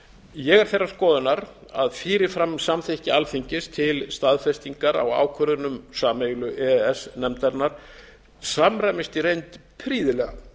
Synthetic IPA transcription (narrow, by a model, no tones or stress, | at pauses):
jɛɣɛɾ̥θejrːḁskɔːðʏnaɾaðfiːɾɪfɾamsamθehcɪalθiɲcɪst̪ʰɪlst̪aðfɛst̪iŋkaɾa̰wa̰ːwkʰœɾðʏnʏmsaːmeɣlʏʔɛɛsnɛmt̪ɛɾnaɾ̥ | samɾajmɪst̪iɾejnt̪pʰɾiːðɪlɛɣa